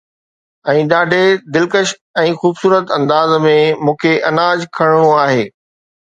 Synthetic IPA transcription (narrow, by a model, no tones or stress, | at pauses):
ɛ̃ːɗaːɖʱed̪ɪlkəʃ | ɛ̃ːxuːbsuːɾət̪ɐ̃nd̪aːzmẽmũːkʰeʔɐnaːd͡ʑkʰɐɽ̃ɽ̃oaːɦeː